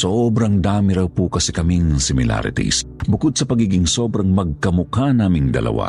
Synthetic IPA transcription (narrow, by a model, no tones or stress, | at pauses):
sobɾɐŋd̪aːmiɾɐwpukɐsɛkɐmiŋsɪmɪla̰ɾɪ̰t̪ḭs | bʊkʊd̪̚sɐpɐɡiːɡɪŋsobɾɐŋmɐɡ̚kɐmʊkanaːmɪŋd̪ɐ̰lʔɐ̰wa̰